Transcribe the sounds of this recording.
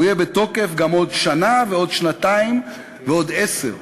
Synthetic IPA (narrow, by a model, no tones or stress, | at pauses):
ujebet̪o̞ke̞fɡamo̞d̪ʃanaveo̞d̪ʃnat̪aim | veo̞d̪esḛʁ